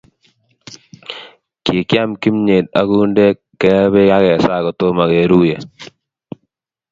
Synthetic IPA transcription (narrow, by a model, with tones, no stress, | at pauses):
ke˨kja˦mki˦mɲe˨d̪̚a̰˨˦ɡu˦nde˦ | ɛ˦be˦ka˦kɛ˨sa˦˨kɔ˨t̪o˦ma˨ke˨ɾu˦je˨